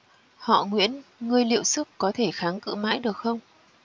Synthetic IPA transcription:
hɔ̰˧˨ŋwḭ˧˥ənŋɨ˨˩əjlḭ˧˨əwsɨ˦˥əkkɔ˨˦t̪ʰe˧˩xaː˨˦ŋkɨ̰˧˨ma̰ː˧˥jɗɨ˨˩ək̚xə˧wŋ͡m

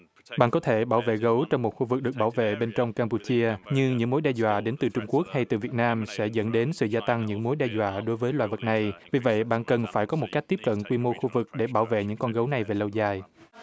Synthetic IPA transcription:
ɓa̰ː˧˨nkɔ˨˦t̪ʰe˧˩ɓaː˧˩wvḛ˧˨ɣə˨˦wt͡ɕɔ˧wŋ͡mmo˨˩t̚xu˧vɨ˨˩k̚ɗɨ˨˩ək̚ɓaː˧˩wvḛ˧˨ɓe˧nt͡ɕɔ˧wŋ͡mkaː˧mpu˧t͡ɕi˧əɲɨ˧ŋɲɨ̰˧˥ŋmo˨˦jɗɛ˧zwa̰ː˧˨ɗe˨˦nt̪ɨ˨˩t͡ɕʊ˧ŋ͡mku˦˥ək̚ha˧jt̪ɨ˨˩vi˨˩ət̚naː˧msɛ̰˧˥zə̰˧˥nɗe˨˦nsɨ̰˧˨zaː˧t̪a˧ŋɲɨ̰˧˥ŋmo˨˦jɗɛ˧zwa̰ː˧˨ɗo˨˦jvəː˨˦jlwaː˧˨jvə˨˩t̚na˨˩jvi˨˩və̰˧˨jɓa̰ː˧˨nkə˨˩nfaː˧˩jkɔ˨˦mo˨˩t̚ka˦˥jk̚t̪i˦˥p̚kə̰˧˨nkwi˧mo˧xu˧vɨ˨˩k̚ɗe˧˩ɓaː˧˩wvḛ˧˨ɲɨ̰˧˥ŋkɔ˧nɣə˨˦wna˨˩jve˨˩lə˧wzaː˧˩j

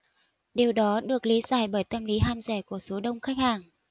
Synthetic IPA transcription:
ɗe˨˩wɗɔ˨˦ɗɨ˨˩ək̚li˨˦zaː˧˩jɓəː˧˩jt̪ə˧mli˨˦ɦaː˧mzɛ˧˩ku˧˩əso˨˦ɗə˧wŋ͡mxa˦˥k̚haː˧˩ŋ

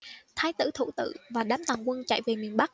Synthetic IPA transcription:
t̪ʰaː˧jt̪ɨ̰˧˩t̪ʰṵ˧˩t̪ɨ̰˧˨vaː˨˩ɗaː˨˦mt̪a˨˩ŋkwə˧nt͡ɕa̰˧˨jve˨˩mi˨˩ənɓa˦˥k̚

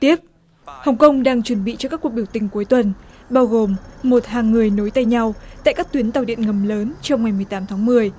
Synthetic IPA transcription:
t̪i˦˥ət̚ | hə˨˩wŋ͡mkə˧wŋ͡mɗaː˧ŋt͡ɕwə˧˩nɓḭ˧˨t͡ɕɔ˧kaː˦˥ku˨˩k̚ɓi˧˩əwt̪ï˨˩ŋ̟ku˨˦jt̪wə˨˩nɓaː˧wɣo˨˩mːo˨˩t̚haː˨˩ŋːɨ˨˩əjno˨˦jt̪a˧jɲa˧wt̪a̰ː˧˨jkaː˦˥k̚t̪wi˨˦nt̪a˨˩wɗḭ˧˨ənŋə˨˩mləː˨˦nt͡ɕɔ˧wŋ͡mŋa˨˩jmɨ˨˩əjt̪aː˨˦mt̪ʰaː˨˦ŋmɨ˨˩əj

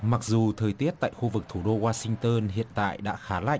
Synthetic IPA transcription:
ma˨˩k̚zu˨˩t̪ʰəː˨˩jt̪i˦˥ət̚t̪a̰ː˧˨jxu˧vɨ˨˩k̚t̪ʰu˧˩ɗo˧waː˧sï˧ŋ̟t̪əː˧nhḭ˧˨ənt̪a̰ː˧˨jɗa̰ː˧˥xaː˨˦la̰˧˨ʔ

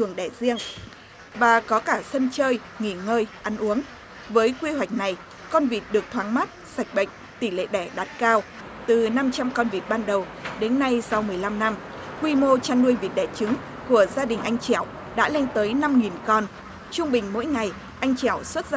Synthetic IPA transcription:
t̪ʰɨ˨˩əŋɗɛ˧˩zi˧əŋ | vaː˨˩kɔ˨˦kaː˧˩sə˧nt͡ɕəː˧j | ŋi˧˩ŋəː˧jʔa˨˦nʔu˨˦əŋ | vəː˨˦jkwi˧ɦwa˨˩jk̟̚na˨˩j | kɔ˧nvi˨˩t̚ɗɨ˨˩ək̚t̪ʰwaː˨˦ŋma˦˥t̚sa˨˩jk̟̚ɓə̰˧˨ŋ̟ | t̪i˧˩lḛ˧˨ɗɛ˧˩ɗa˨˩t̚kaː˧w | t̪ɨ˨˩na˧mt͡ɕa˧mkɔ˧nvi˨˩t̚ɓaː˧nɗə˨˩wɗe˨˦nːa˧jsa˧wmɨ˨˩əjla˧mna˧mkwi˧mo˧t͡ɕaː˧nlu˧ənvḭ˨˩t̚ɗɛ˧˩t͡ɕɨ˨˦ŋ | ku˧˩əzaː˧ɗï˨˩ŋ̟ʔa˧jŋ̟t͡ɕɛ˧˩˨w | ɗa̰ː˧˥la˧ŋ̟t̪əː˨˦jna˧mŋi˨˩nkɔ˧n | t͡ɕʊ˧ŋ͡mɓï˨˩ŋ̟mo̰˧˥jŋa˨˩j | ʔa˧jŋ̟t͡ɕɛ˧˩wswə˦˥t̚z

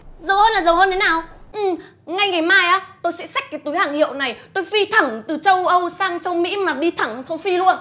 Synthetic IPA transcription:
zə˨˩whəː˧nlaː˨˩zə˨˩wɦəː˧nt̪ʰe˨˦naː˨˩wʔɨ˨˩ | ŋa˧jŋa˨˩jmaː˧jʔaː˨˦t̪o˧jsɛ̰˧˥sa˦˥k̚kaː˨˦jt̪u˨˦jhaː˧˩ŋhḭ˧˨ə˨wna˨˩jt̪o˧jvi˧t̪ʰə˧˩ŋt̪ɨ˨˩t͡ɕə˧wʔə˧wsaː˧ŋt͡ɕə˧wmḭ˧˥maː˨˩ɗi˧t̪ʰə˧˩ŋt͡ɕə˧wfi˧lu˧ən

